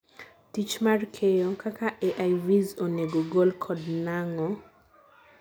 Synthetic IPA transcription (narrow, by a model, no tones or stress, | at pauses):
tit͡ʃmarkʰejokakaʔeʔajvizoneɡoɡolkʰɔdnaŋɔ